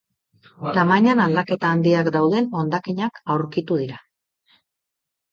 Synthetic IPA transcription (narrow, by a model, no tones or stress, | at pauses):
t̪amajɲanald̪ake̞t̪aːnd̪iakd̪awð̞e̞no̞nd̪akiɲakawɾkit̪uð̞iɾa